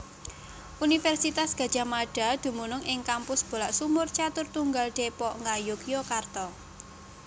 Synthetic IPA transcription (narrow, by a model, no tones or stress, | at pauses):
ʔunifɛrsit̪asɡ̥a̤d̥ʒ̥a̤maɖ̥a̤d̪̥ṳmunʊŋʔɪŋkampʊsb̥o̤laʔsumʊrt͡ʃat̪ʊrt̪uŋɡalɖ̪̥epɔʔŋɡajukjɔkart̪ɔ